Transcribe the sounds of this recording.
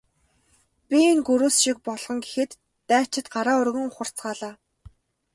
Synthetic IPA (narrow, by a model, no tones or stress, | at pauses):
pʲiinɡɵɾuːsʃik̚pɔɮʁɞ̆ŋɡexɘ̆t̪ː | æːt͡ɕɪ̆t̪ɢaɾaːʊrɣɘ̆ŋʊχə̆r̥t͡sɢaːɮaː